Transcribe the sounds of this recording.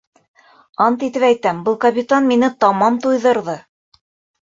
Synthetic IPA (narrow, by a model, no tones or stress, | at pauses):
ɑnt̪it̪ɘpæjt̪æmbɤlˠkɐpʲit̪anminɘt̪ɑmɑmt̪ujðɤ̆ɾðɤ